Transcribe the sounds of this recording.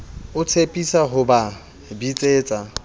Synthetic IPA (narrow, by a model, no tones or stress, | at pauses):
ʊt͡sʰepʼisaɦʊba | bit͡sʼeːt͡sʼa